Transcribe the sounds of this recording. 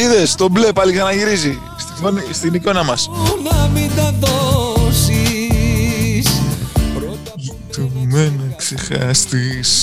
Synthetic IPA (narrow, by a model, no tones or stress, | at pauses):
iðe̞st̪o̞ble̞pɐliksɐnɐʝiɾizi | st̪ifonist̪iniko̞nɐmɐsnɐmind̪ɐðosi | spɾot̪ | it̪umeneksexɐst̪is